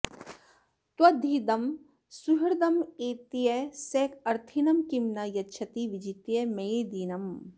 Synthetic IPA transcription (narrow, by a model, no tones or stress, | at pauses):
t̪wɐd̪ʱiːd̪ɐm | suɦiɾd̪ɐmeːt̪ijɐseːkʰɐɾt̪ʰinɐmkimnɐjɐtʃʰɐt̪iʋid͡ʒit̪jɐmeed̪iːnɐm